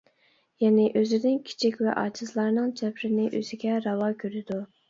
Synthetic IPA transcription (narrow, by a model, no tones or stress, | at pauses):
jɛnɪʔøzɪd̪ɪnkʲʰi̥t͡ʃʰikʲvɛ̰ʔɑ̰ːt͡ʃʰɪzlˠɑɾnɨŋt͡ʃʰɛpɾɪnɪʔøz̥ɪɡʲɛɾɑwɑkʲʰøɾɪd̪u